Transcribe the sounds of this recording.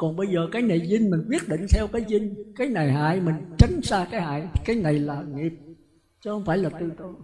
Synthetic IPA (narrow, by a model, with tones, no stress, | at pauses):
kɔ˨˩nɓə˧jzəː˨˩kaː˨˦jna˨˩jzï˧ŋ̟mï˨˩ŋ̟kwi˦˥ət̚ɗḭ̈˧˨ŋ̟t̪ʰɛ˧wkaː˨˦jzï˧ŋ̟kaː˨˦jna˨˩jɦa̰ː˧˨jmï˨˩ŋ̟t͡ɕa˨˦ŋ̟saː˧kaː˨˦jha̰ː˧˨jkaː˨˦jna˨˩jlaː˨˩ŋi˨˩əp̚ | t͡ɕə˨˦hə˧wŋ͡mfaː˧˩jlaː˨˩t̪ɨ˧˨t̪ə˧˨˦